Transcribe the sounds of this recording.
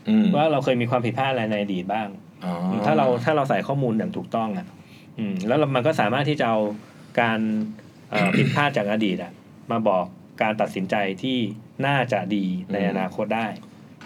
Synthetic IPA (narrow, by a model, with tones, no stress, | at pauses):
waː˥˩ɾa˧wkʰɤː˧jmiː˧kʰwaː˧pʰi˨˩t̪̚pʰaː˥˩t̪̚aɾa˧jna˧jʔa˧diː˨˩t̪̚baː˥˩ŋ | ɔ˧ɯː˧t̪ʰaː˥˩ɾa˧wt̪ʰaː˥˩ɾa˧wsa˨˩jkʰɔː˥˩muː˧nja˨˩ŋt̪ʰuː˨˩k̚t̪ɔ˥˩ŋʔa˨˩ʔ | ʔɯː˧lɛː˦˥wma˧nkɔ˥˩saː˩˦maː˥˩t̪ʰːi˥˩t͡ɕa˨˩ʔa˧w | kaː˧n | ʔəː˨˩pʰi˨˩t̪̚pʰaː˥˩t̪̚t͡ɕaː˨˩k̚ʔa˧diː˨˩t̪̚ʔa˨˩ʔ | maː˧bɔː˨˩kːaː˧nt̪a˨˩t̪̚si˩˦nt͡ɕa˧jt̪ʰiː˥˩ | naː˥˩t͡ɕa˨˩diː˧na˧jʔa˧naː˧kʰo˦˥t̪̚daː˥˩j